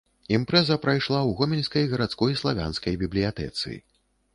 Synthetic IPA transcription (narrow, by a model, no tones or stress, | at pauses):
impɾɛzɐpɾajʂlˠawɣɔmʲinʲskɐjɣɐɾat̪skɔjslˠavʲa̰nskɐjbʲiblʲijat̪ɛ̰t̪sɨ̰ḭ